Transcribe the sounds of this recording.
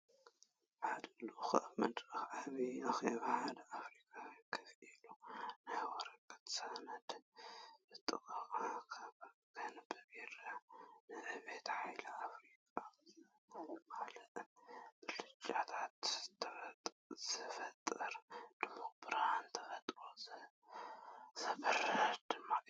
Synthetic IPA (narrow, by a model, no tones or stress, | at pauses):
ħad̪ɨluxʔmɐd̪ɾɨxaβiʔaxeβħad̪ɐʔafɾikʼawikʰɨfilunajwɔɾɐkʼɐ̥t̪sanɐd̪ | bɨt̪ʼɨkʼɐkʼakʰaβ | kʰɐnbɨbiɾanɨʔɨβe̞t̪ħajlɐafɾikʼa | malɐt̪ɨlɨt͡ʃʼat̪ʰat̪t̪ʰɐft̪ʼ | z̥ɨfɐt̪ʼːɐɾd̪̥ɨmːabɨɾhant̪ʰɐfɐt̪ʼɾoz | z̥ɐbɨɾd̪̥ɨmːa